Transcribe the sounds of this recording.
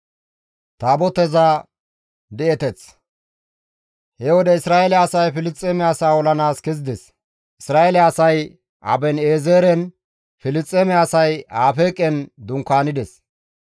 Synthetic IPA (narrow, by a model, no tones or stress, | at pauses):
t̪aːbɔt̪ɛza | d̪ɛɛt̪ɛt͡s | hɛwɔd̪ɛɪsɾaːɛlɛɐsɐjfɪlɪt͡sʼːeːmɛasaːɔlɐnaːskɛzɪd̪ɛs | ʔɪsɾaːelːsɐj | ʔɐ̰bɛneːzeːɾɛn | fɪlɪt͡sʼːemɛasɐjaːfeːkʼɛnd̪ʊŋkːaːnɪd̪ɛs